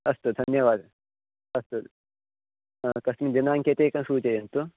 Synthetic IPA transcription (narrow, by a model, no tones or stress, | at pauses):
ɐst̪ud̪ʱɐnjɐʋaːd̪ | ɐst̪u | akɐsmid͡ʒɐnaːŋket̪ekɐnsuːt͡ʃɐjɐnt̪u